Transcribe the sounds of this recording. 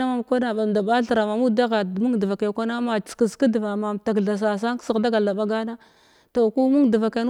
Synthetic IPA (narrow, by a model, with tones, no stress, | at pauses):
a˦ma˨mkʷa˦na˨ɓa˨m˨da˨ba˦ɬa˨ɾa˨ma˨mu˦da˦ɣa˨mu˦ŋ˨də˨va˨ka˨kʷa˦na˦mḁ˨ki˨ska˦dva˨ma˨mta˨kɮa˨s̬a˨s̬a˦ksi˨ɣda˦ɡa˨da˨ɓa˦ɡa˦na˦ | to˨ku˦mu˦ŋdə˨va˨ka˨˦n˦